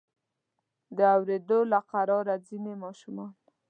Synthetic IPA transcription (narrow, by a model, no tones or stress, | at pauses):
d̪əawɾed̪olaqaɾɑɾazinemɑʃumɑn